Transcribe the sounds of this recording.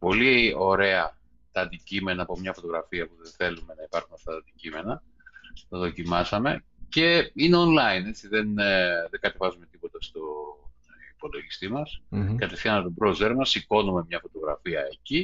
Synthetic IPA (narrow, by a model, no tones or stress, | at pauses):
po̞lio̞ɾe̞ɐ | t̪ɐːnd̪icime̞nɐːpo̞mɲɐfo̞t̪oɣɾɐfiɐpuðeθe̞lume̞nɐipɐɾxunɐft̪ɐɐnd̪icime̞nɐ | t̪ɐðo̞cimɐsɐme̞ | ce̞ineonlɐine̞t͡siðenðeŋɡɐt̪e̞vɐzume̞t̪ipo̞t̪ɐst̪o | ipo̞lo̞ʝist̪imɐskɐt̪e̞fθiɐnt̪obɾozeɾmɐsiko̞nume̞mɲɐfo̞t̪o̞ɣɾɐ̰fiɐeci